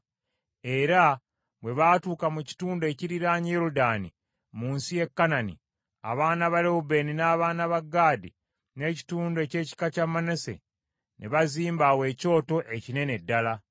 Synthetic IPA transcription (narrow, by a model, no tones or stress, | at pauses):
e̞ɾa | βwe̞βatuːkamuci̥tuːndoe̞ciɾiɾaɲjeɾudaːnḭ | muːnsije̞kːananḭ | a̰βaːnaβaɾeube̞ninaːβaːnaβaɡːaːdḭ | ne̞ci̥tuːndoece̞ːci̥kacamanese̞̰ | nʔeβaziːmbawe̞ːco̞ːto̞ʔe̞cine̞ne̞dːala